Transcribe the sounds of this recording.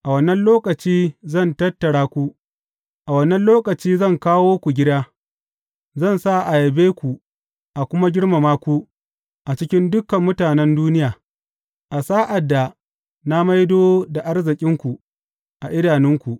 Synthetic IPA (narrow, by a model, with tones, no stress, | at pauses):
ʔa˨wɐ˦nːɐ˦nloː˦kɐ˨t͡ʃiː˦zɐ˦˨ntɐ˦tːɐ˨ɽaː˦kʷu˦ | ʔa˨wɐ˦nːɐ˦nloː˦kɐ˨t͡ʃiː˦zɐ˦˨ŋkaː˦woː˦kʷu˨ɡʲɪ˦daː˦ | zɐ˦˨nsa˦˨ʔa˨jɐ˨beː˦kʷu˨ | ʔa˨kʷʊ˦ma˦ɡʲɪ˦ɽma˨maː˦kʷu˦ | ʔa˨t͡ʃɪ˦kʲɪ˦ndʊ˦kɐ˨mːʊ˦taː˨nɛ˦nduː˦nɪ˦jaː˨ | ʔa˨saː˦ʔa˨dːa˨ | na˦ma˦jdoː˦da˨ʔa˦rzɪ˨kʲʼɪ˦ŋkʷu˨ | ʔa˨ʔɪ˦daː˨nɪ˦ŋkʷu˨ʔ